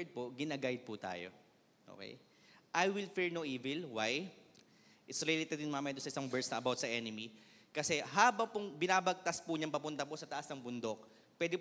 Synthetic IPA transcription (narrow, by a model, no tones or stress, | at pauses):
d̪̚poɡɪnɐɡajd̪̚pʊt̪a̰ːjo̰ | ʔo̰ːkɛ̰j | ʔajwɪlfiɹnoʔiːvɛlwaj | ʔɪt̪sɾɛlet̪ɛd̪̚jɪnmaːmɐjɐd̪ʊnsɐʔɪsɐŋbɛɹt̪snɐɐbawt̪sɐʔɛnɪmi | kɐsɛɦaːbɐŋpʊŋbɪnaːbɐɡ̚t̪aspʊɲɐŋpɐpʊnt̪ɐposɐt̪ɐʔɐsnɐŋbʊnd̪o̞k̚ | pwɛːd̪ɪ